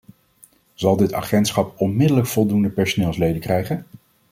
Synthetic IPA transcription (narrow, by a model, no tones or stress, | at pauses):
z̥ɑlˠdɪta̰χɛntsχɑpɔnmɪdələkfɔlˠdundəpɛɹsonɪːlˠslejdəkrɛjχən